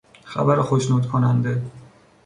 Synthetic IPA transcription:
xæ̰bæɾxoʃnuːd̪kʰonænd̪e

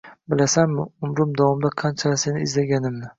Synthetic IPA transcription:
bɪlasanmɪʊmɾʊmd̪avɒmd̪aqʰɑnt͡ʃʰaase̞nɪːzlaɡʲanɪmnɪ

